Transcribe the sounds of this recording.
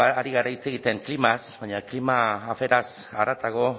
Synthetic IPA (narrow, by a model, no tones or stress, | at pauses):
aaɾiɣaɾait͡se̞ɣ̞it̪e̞ŋklimasβajɲaklimaːfe̞ɾasaɾat̪aɣo̞